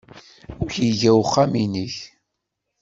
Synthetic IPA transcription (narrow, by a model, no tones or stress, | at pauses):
ʊçiʝæwχːaminiç